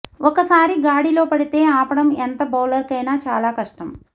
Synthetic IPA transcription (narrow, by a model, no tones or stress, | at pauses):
ɔkɐsaːɾiɡaːɽilo̞ːpɐɽit̪e̞ːaːpɐɽɐment̪ɐbɐːlɐɾkɐjnaːt͡ʃaːlaːkɐʂʈɐm